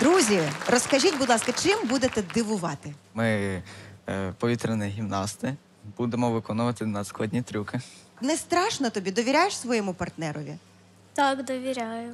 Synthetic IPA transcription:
d̪ɾuzʲirɔskɐʒʲitʲbʊd̪lˠɑskɐt͡ʃɪmbud̪et̪ɛd̪ɪʋʊʋɑt̪ɪmɪ | pɔʋʲit̪ɾenɛɦʲimnɑst̪ɪ | b̥ud̪emɔʋɪkɔnʊʋɐt̪ɪnɐsklˠɐdʲnʲit̪ɾʲukɪ | nɛst̪ɾɑʃnɔt̪ɔbʲid̪ɔʋʲiɾʲajeʃsʋɔjɛmʊpɐrt̪nɛɾɔʋʲḭ | t̪ɑkd̪ɔʋʲiɾʲajʊ

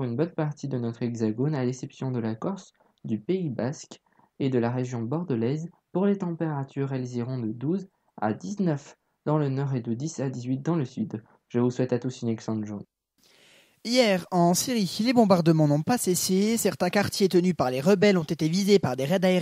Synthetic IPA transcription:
ynbɔnpaʁt̪id̪ənɔt̪χɛɡzaɡonalesɛpsjɔ̃d̪əlakɔʁs | d̪ypeibaskʲ | ed̪əlaʁeʒjɔ̃bɔʁd̪əlɛz | puʁlet̪ɑ̃peʁat̪yʁɛlzeʁɔ̃d̪əd̪uz | a̰d̪iznœf | d̪̥ɑ̃lənɔʁed̪əd̪isad̪izɥit̪̚d̪ɑ̃ləsyd̪ | ʒəvuswɛt̪at̪usynɛksɑ̃t̪ʒuʁn | ijɛʁɑ̃siʁilebɔ̃baʁd̪əmɑ̃nɔ̃pasesesɛʁt̪ɛ̃kaʁt̪jet̪ənypaʁleʁəbɛlɔ̃t̪et̪evizepaʁd̪eʁɛd̪ae

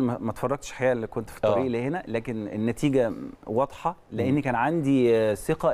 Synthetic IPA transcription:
mæt̪efɑrːˤɑɡ̚t̪ʃħajæːʔælːikont̪fi̥t̪ˤːɑɾiːʔlehenælæːkenḛnːæt̪iːɡæwɑd̪ˤħɑleʔenːikæːnʕand̪iseqæ

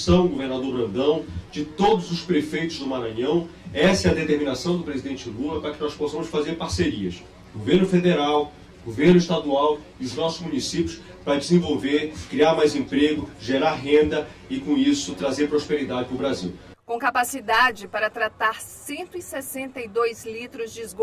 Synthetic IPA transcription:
sɐ̃w̃ɡoveɾnad̪oɾbɾɐ̃nd̪ɐ̃w̃d͡ʒɪt̪od̪ʊzʊspɾefejt̪ʊzd̪ʊmaɾɐ̃ɲɐ̃w̃ɛsɐɛɐd̪et̪eɾmĩnasɐ̃w̃d̪ʊpɾezid̪ẽnt͡ʃɪlulɐpɾɐkɪnɔsposɐ̃mʊsfazeɾpaɾseɾiɐ̰s | ɡoveɾnʊfed̪eɾaw | ɡoveɾnʊiʃt̪ad̪uaw | iʊznɔsʊzmunisipjʊs | pɾɐd͡ʒɪzẽvowveɾkɾiaɾmajzẽpɾeɡʊʒeɾaɦẽnd̪ɐɪkõisʊt̪ɾazeɾpɾospeɾid̪ad͡ʒɪpʊbɾazḭw | kõkapasid̪ad͡ʒɪpaɾɐt̪ɾat̪aɾsẽnt̪ʊɪsesẽnt̪ɐjd̪ojzlit̪ɾʊzd͡ʒɪzɡo

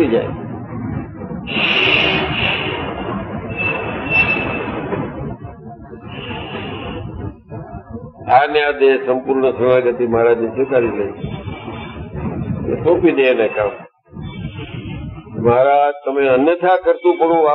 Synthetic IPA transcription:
id͡ʒa̰ːe | aːnjad̪esəmpuɾɳəsəmaːɡət̪iːmaːɾaːd͡ʒnĩsekaːɾiləi | ḛsopiːd̪enekaːm | maːɾat̪əmẽənjət̪ʰakəɾt̪ũːpəɳũːʋa

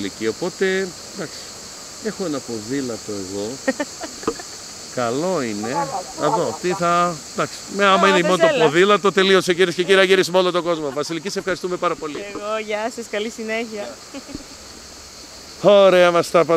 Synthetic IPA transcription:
licio̞po̞t̪e̞ | d̪ɐksi̥ | exoenɐpo̞ðilɐt̪o̞e̞ɣo̞ | kɐlo̞ine̞eðot̪iθɐd̪ɐksi̥meɐmɐineimont̪opoðilɐt̪ot̪e̞lioseciɾies̬ceciɾiɐciɾismolot̪oɡo̞zmovɐsilicisefxɐɾist̪ume̞pɐɾɐpo̞liɣoʝɐsɐskɐlisineçiɐ | oɾe̞ɐmɐst̪ɐpɐ

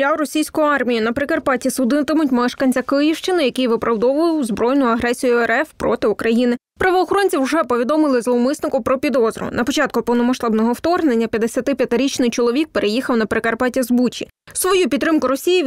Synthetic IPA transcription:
ɑwɾɔsʲijsʲkɔjʊɑrmʲijinɐpɾekɐrpɑtʲisʊd̪ɪt̪ɪmʊtʲmɛʃkɐnʲt͡sʲɐkɪjiwʃt͡ʃɪnɪjɐkɪjʋɪpɾɐwd̪ɔʋʊjwzbɾɔjnʊjɐɦɾɛsʲijʊɛɾɛfpɾɔ̰t̪ɪukɾɐjinɪ | pɾɐʋɔːxɔɾɔnʲt͡sʲiwʐɛpɔʋʲid̪ɔmɪlˠɪzlˠmɪsnɪkʊpɾɔpʲid̪ɔzɾʊ̰nɐpɔt͡ʃɑt̪̚kʊpɔwnɔmɐʃt̪ɑbnɔɦɔwt̪ɔrɦnenʲːɐpʲjɐd̪esʲɐt̪ɪpʲjɐt̪ɪɾʲit͡ʃnɪjt͡ʃɔlˠɔʋʲik̚peɾʔejixɐwnɐpɾekɐrpɑtʲɐzbut͡ʃʲi | sʋɔjupʲit̪ːɾɪmkʊɾɔsʲiji

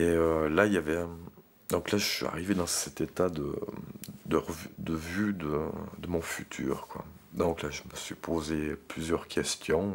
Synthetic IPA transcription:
eølailjavɛ | d̪ɔ̃klaʒəsɥya̰ʁived̪ɑ̃sɛt̪et̪ad̪ə̰ | d̪əʁəvyd̪əvyd̪əd̪əmɔ̃fyt̪ʰy̰ːʁkwa̰ | d̪ɔ̃klaʒəməsɥipʰozeplyzjœʁkʲʰɛst̪jɔ̃

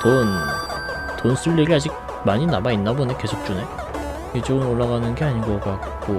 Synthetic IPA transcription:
ton | tonsʰuʎːiɾiad͡ʑiɡ̚ | maɲinamainːabone̞ke̞sʰok̚t͡ɕ͈une̞ | et͡ɕoɡɯnoɭːaɡanɯnɡe̞aɲinɡʌk͈ak̚k͈o

